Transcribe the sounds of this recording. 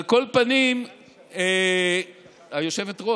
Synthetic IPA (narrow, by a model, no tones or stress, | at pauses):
lko̞lpanim | e | hajo̞ʃe̞ve̞tʁo